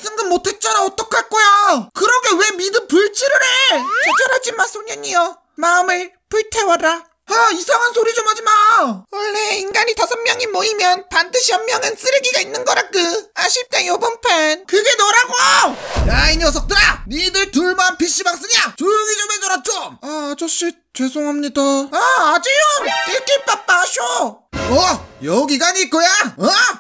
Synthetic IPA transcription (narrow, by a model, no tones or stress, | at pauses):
s͈ʰɯŋɡɯnmotʰe̞t̚t͡ɕ͈ʌɾaʌt͈ʌkʰak͈ojokɯɾʌɡewe̞midɯmpuɭt͡ɕ͈iɾɯɾe̞t͡ɕʌd͡ʑʌɾad͡ʑimas͈oɲʌɲio | maɯmɯɭ | puɭtʰe̞waɾa | aisʰaŋɦansʰoɾid͡ʑomɦad͡ʑimawʌɭːe̞inɡaɲitasʰʌmmjʌŋimʌimjʌnpandɯɕʰihʌmmjʌŋɯns͈ɯɾɯɡiɡainːɯnɡʌɾak͈ɯaɕʰiɭt͈e̞jobɯnpʰenkɯɡe̞nʌɾaɡojainjʌs̬ʰʌk̚t͈ɯɾanidɯɭtuɭmanpiɕ͈imak̚s͈ɯɲat͡ɕuɡid͡ʑomenʌɾat̚t͡ɕ͈oat͡ɕʌɕ͈i | t͡ɕe̞sʰoŋɦamɲidaaad͡ʑijoik͈ep͈ap͈aɕʰoʌjʌɡiɡaɲiːt̚k͈ojaʌ